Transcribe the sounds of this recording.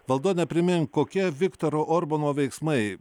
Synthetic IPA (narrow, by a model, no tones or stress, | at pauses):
ʋɐlˠd̪uːt̪nʲɛpʲɾʲɪmʲɪŋkoːkʲiɛʋʲɪkt̪oːɾoːʔoːɾbonoːʋʲɛɪksmɐɪ